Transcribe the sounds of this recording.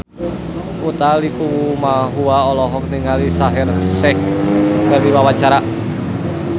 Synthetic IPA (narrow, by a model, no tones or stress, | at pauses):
ut̪alikuwumaɦuaɔlɔɦɔk̚niŋalisaɦɛrsɛhkərdiwawat͡ʃaɾa